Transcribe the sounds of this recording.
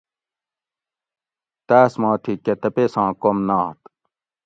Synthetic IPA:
t̪æːsmɑ̃ːt̪ʰiket̪ɐpesãːkomnaːt̪

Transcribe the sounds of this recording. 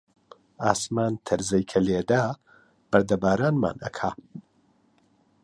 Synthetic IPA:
aːsmaːnt̪ʰɐɾzɐjkʰɐleːd̪aː | b̥ɐɾd̪ɐbaːɾaːnma̰ːnɐ̰kʰaː

